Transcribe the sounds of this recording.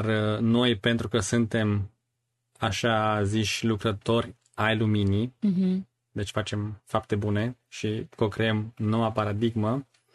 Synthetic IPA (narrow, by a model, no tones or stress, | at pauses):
rno̞jpe̞nt̪ɾukəsɨnt̪e̞m | aʃaziʃʲlukɾət̪o̞rʲ | ajlumini | d̪e̞t͡ʃʲfat͡ʃe̞mfap̚t̪e̞bune̞ʃikokɾeemnːo̞wapaɾad̪iɡmə